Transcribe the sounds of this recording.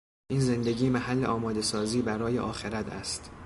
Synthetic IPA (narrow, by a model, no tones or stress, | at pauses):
ʔiːnze̞nd̪eɟiːmæɦælːeʔɒːmɒːd̪e̞sɒːziːbæɾɒːje̞̰ʔɒːxe̞ɾæt̪ʰæ̰st̪